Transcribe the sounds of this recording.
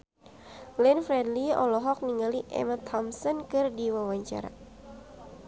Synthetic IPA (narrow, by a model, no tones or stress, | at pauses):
lɛnfɾɛdliɔ̰lɔɦɔk̚niŋɡaliʔɛ̰mat̪ʰɔmsɔnkɨrdiwawaɲt͡ʃa̰ɾa̰